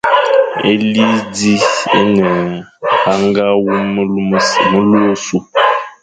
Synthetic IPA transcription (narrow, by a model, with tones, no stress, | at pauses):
e˦li˦di˦e˦nɛ˨ha˦ŋɡa˦wu˦mu˦lu˦o˦su˦